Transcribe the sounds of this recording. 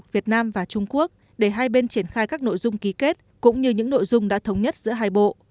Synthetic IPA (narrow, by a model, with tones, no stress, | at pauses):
vi˨˩ət̚naː˧mvaː˨˩t͡ɕʊ˧ŋ͡mku˦˥ək̚ | ɗe˧˩ɦaː˧jɓe˧nt͡ɕi˧˩ənxaː˧jkaː˦˥k̚no̰˧˨jzʊ˧ŋ͡mki˨˦ke˦˥t̚kʊ̰˧˥ŋ͡mɲɨ˧ɲɨ̰˧˥ŋno̰˧˨jzʊ˧ŋ͡mɗa̰ː˧˥t̪ʰə˨˦wŋ͡mɲə˦˥t̚z̥ɨ̰˧˥əɦaː˧jɓo̰˧˨ʔ